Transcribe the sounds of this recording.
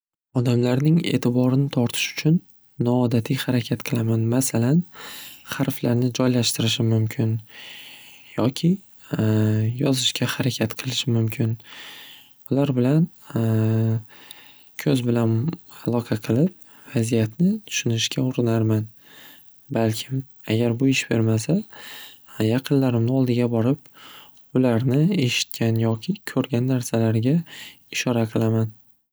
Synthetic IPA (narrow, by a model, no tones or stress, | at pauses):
ɒd̪amlaɾnɪŋe̞̰ːt̪ʰɪbɒɾɪnɪt̪ʰɒɾt̪ʰɪ̥ʃʊ̥t͡ʃʰʊnː | ɒːd̪at̪ʰijhaɾakʲʰat̪qʰɨlˠamanmasalanχaɾflaɾnɪd͡ʒɒjlaʃt̪ɪɾɪʃ̬ɪmʊmkʲʰɪn | jɒkʲʰɪ | jɒzɪʃkʲahaɾakʲʰat̪qʰɨlˠɪʃɪmʊmkʲʰɪn | ʊlaɾbɪlan | kʲʰɵzbɪlanalˠɒqʰɑqʰɨlˠɪp̚ | v̥azijat̪nɪt̪ʰʊ̥ʃʊnɪʃkʲaʊɾɪnaɾman | balkʲʰɪm | aɡʲaɾbʊɪʃb̥e̞ɾmasa | jɑqʰɨnlaɾɪmnɪɒlˠd̪ɪɡʲabɒɾɪp̚ | ʊlaɾnɪe̞ʃɪ̥t̪kʲʰanjɒkʲʰɪkʲʰɵɾɡʲanːaɾsalaɾɡʲa | ɪʃɒɾaqʰɨlˠaman